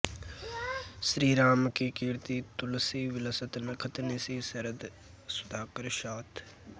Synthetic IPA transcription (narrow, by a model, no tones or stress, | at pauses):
sɾiːɾaːmkikiɾt̪iːt̪ʊlsiːʋɪləsət̪nɐkʰət̪nesiːsɐɾəd̪ | sʊd̪ʱaːkəɾʃaːt̪